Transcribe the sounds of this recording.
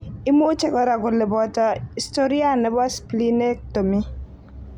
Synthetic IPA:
ɪ˦mo˦t͡ʃɛ˦kɔ˦ɾa˨ɡʊ˨lɪ˨bɔ˦tɔ˦i˨sto˦ɾi˦a˦nɛ˨˦ba˦spli˦ne˦k̚to˨mi˦

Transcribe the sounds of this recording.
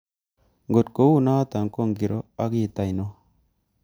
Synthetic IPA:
ŋɡo˨tko˨˦wu˦na˦a˦ta˨ŋko˦˨ŋɡi˨ɾo˦a˦ki˦˨ta˨jno˦

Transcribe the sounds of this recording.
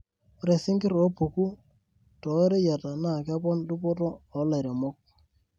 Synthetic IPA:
ɾe˨sɪ˦ŋɡɪ˦ɾo˦pu˨ku˦ | tɔ˨˦ɾe˦ja˨ta˨na˦˨ka˦pɔ˦ndu˦pɔ˦tɔː˦˨˦la˨ɾe˨mo˦k̚

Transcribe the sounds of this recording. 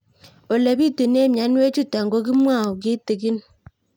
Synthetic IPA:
o˨le˨bi˦˨tu˨ne˦˨mja˨˦n˦we˦t͡ʃu˦ta˨ŋɡo˦k̬i˦mwa˦˨u˨ki˦ti˨ki˦n

